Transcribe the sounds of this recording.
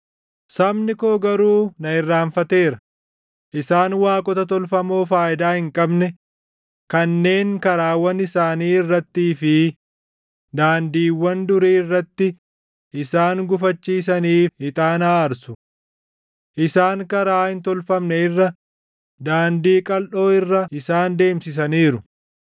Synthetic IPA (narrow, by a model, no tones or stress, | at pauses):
sɐmnɪkoːɡɐɾuːnɐɪrːaːɱfɐt̪e̞ːɾɐ | ʔɪsaːnwaːkʼɔt̪ɐt̪ɔlfɐmo̞ːfaːɪd̪aːhɪŋkʼɐbnɛ | kɐnːe̞ːŋkɐɾaːwɐnɪsaːniːɪrːɐt̪ːiːfɪ | d̪aːnd̪iːwːɐnd̪ʊɾiːɪrːɐt̪ːɪ | ʔɪsaːŋɡʊfɐt͡ʃːiːs̬ɐniːfhɪt̪ʼaːnaːɾsʊ̥ | ʔɪsaːŋkɐɾaːhɪnt̪ɔlfɐmnɛɪrːɐ | d̪aːnd̪iːkʼɐlʔo̞ːɪrːɐʔɪsaːnd̪e̞ːmsɪs̬ɐniːɾʊ